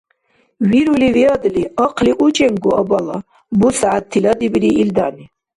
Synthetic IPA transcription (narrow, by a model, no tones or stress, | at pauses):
viɾuliviɑd̪liɑqʰliʔut͡ʃɛŋɡuɑbɑlɑ | busaʕat̪ʰːilɑd̪ibiɾiːld̪ani